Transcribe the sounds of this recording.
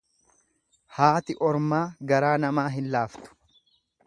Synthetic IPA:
haːt̪ɪʔɔɾmaːɡɐɾaːnɐmaːɦɪnlaːft̪ʊ̥

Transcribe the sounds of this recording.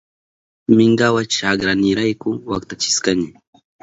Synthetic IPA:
mɪŋɡawat͡ʃaɡɾanɪɾajkʊwakt̪at͡ʃɪ̥skaɲɪ

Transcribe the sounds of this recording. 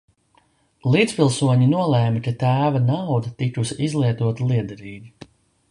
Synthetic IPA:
lˠiːt̪spilˠsuɔɲinuɔlˠɛːmɨkat̪æːvanawd̪ɐt̪ikusizlˠiɛt̪uɔt̪alˠiɛd̪ɛɾiːɡʲi

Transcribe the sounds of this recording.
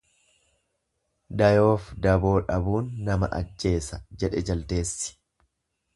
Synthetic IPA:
d̪ɐjo̞ːfd̪ɐbo̞ːᶑɐbuːnːɐmɐʔɐ̰d͡ʒːe̞ːsɐd͡ʒɛᶑɛd͡ʒɐlt̪e̞ːsːɪ̥

